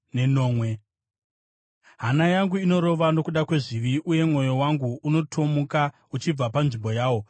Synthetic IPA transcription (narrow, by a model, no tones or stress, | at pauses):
ne̞no̞ːmwe̞ | ɦanajaŋɡuino̞ɾo̞ʋano̞kuɗakwe̞ʐiʋiʔuje̞mŋo̞jo̞waŋɡuuno̞tʰo̞muka | ut͡ʃib͡vapanʐimbo̞jaːwo̞